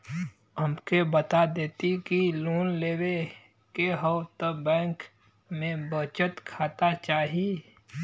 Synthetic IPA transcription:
əmkebət̪ad̪eːt̪ikiluːnleːwe | keɦəwt̪əbɛ̃ːŋk | mẽbət͡ʃət̪kʰaːt̪at͡ʃaːɦie

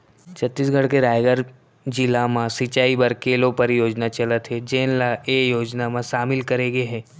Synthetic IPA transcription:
t͡ʃʰɐt̪ːisɡʱəɽkeɾaːjɡəɾ | d͡ʒɪlamãsɪt͡ʃaːibəɾkeːlopəɾjoːd͡ʒnat͡ʃɐlət̪ɦɛd͡ʒeːnlaeːjoːd͡ʒnamãʃaːmɪlkɐɾeːɡeɦɛ̃ː

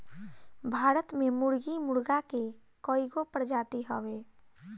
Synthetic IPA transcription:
bʱaːɾət̪mẽmʊɽɡimʊɽɡake | kɔːiɡopəɾd͡ʒaːt̪iɦɔʋeː

